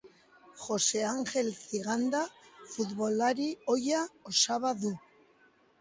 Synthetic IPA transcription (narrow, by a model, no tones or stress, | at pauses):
xo̞se̞aŋʝe̞lθiɣand̪afut̪βo̞laɾio̞jaosaβaðu